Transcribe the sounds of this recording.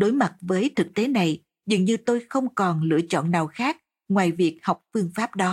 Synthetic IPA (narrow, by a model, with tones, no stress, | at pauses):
ɗo˨˦jma˨˩t̚vəː˨˦jt̪ʰɨ˨˩k̚t̪e˨˦na˨˩j | zɨ̰˧˨ŋɲɨ˧t̪o˧jxə˧wŋ͡mkɔ˨˩nlɨ̰˧˨ət͡ɕɔ̰˧˨nːaː˨˩wxaː˦˥k̚ | ŋwaː˨˩jvi˨˩ək̚ha˨˩wk͡p̚fɨ˧əŋfaː˦˥p̚ɗɔ˨˦